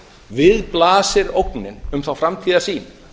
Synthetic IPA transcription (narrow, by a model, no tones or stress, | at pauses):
vɪðplaːsɪɾowknɪnʏmθawfɾamt̪ʰiːðasiːn